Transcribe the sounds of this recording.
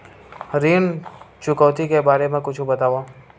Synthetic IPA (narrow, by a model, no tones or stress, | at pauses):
ɾiːnt͡ʃʊkɔːt̪ikebaːɾemẽkʊt͡ʃʰubɐt̪aːʋa